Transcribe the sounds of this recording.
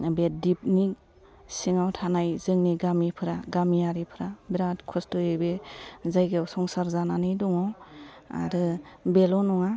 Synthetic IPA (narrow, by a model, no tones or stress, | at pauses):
bedip̚nik | siŋawtʰanajzɯŋniɡamipʰɯɾaɡamiaɾipʰɯɾabiɾatkʰɔstɯebezajɡeawsɔŋsaɾzananɯdɔŋɔa̰ɾɯbelɔnɔŋa